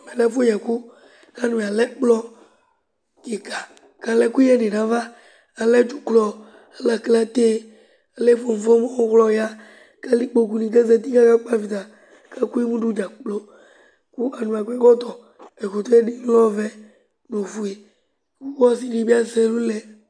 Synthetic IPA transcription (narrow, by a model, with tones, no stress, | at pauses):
mɛ˨lɛ˦fo˦ɲɛ˨ku˦ | ka˦nũ˨a˨lɛ˦k͡plɔ˦ | ke˨ka˨ | ka˨lɛ˦ku˦ɛ˦nĩ˨nã˨va˦ | a˨lɛ˦d͡ʒu˨klɔ˨˦ | la˨kla˦t̪e˦ | e˦le˦fo˨m̩˨ɔ˦mɔ˦ɔ˦ɣlɔ˨ja˦ | ka˦li˦k͡po˨ku˨nĩ˨kɛ˦zɛ˨t̪i˦ka˦ka˦k͡pa˦vi˨d̪a˨ | ka˦ku˦ji˦mũ˦ɖu˦d͡ʒa˨k͡plo˦ | ku˦a˨nũ˨a˨kɛ˦kɔ˦t̪ɔ˨ | e˨xo˨t̪o˦e˦ɖi˦lɔ˦vɛ˦ | no˨fu˨e˨ | ku˦wɔ˦s̬i˦ɖi˨bi˦a˦sɛ˦lu˦lɛ˨